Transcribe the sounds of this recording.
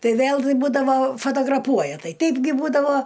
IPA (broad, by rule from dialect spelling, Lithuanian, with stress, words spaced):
ˈtɐɪ ˈʋʲeːlˠ ˈbuːdɐʋoː foːtoːɡrɐˈpuɔjɛ ˈtɐɪ ˈtʲɛɪbʲɡʲɪ ˈbuːdɐʋoː